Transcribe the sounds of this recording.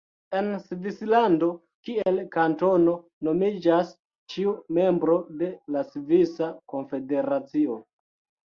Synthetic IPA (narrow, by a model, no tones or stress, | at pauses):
e̞nsvislando̞ | kie̞lkanto̞no̞ | no̞mid͡ʒas | t͡ʃiume̞mbɾo̞de̞lasvisako̞nfe̞de̞ɾat͡sio̞